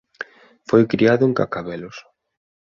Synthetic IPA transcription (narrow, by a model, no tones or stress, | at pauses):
fojkɾiaðʊeŋka̰kaβɛlʊs